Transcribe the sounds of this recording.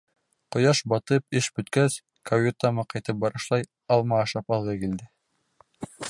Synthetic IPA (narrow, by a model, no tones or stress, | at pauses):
qŏjɑʃbɑt̪ɤp̚ɘʃbɵ̆t̪kæs | kɐwʲit̪ɑmɑqɑjt̪ɤp̚bɑɾɤ̆ʃlˠɑj | ɑlˠmɑːʃɑpɑlˠɤkild̪ɘ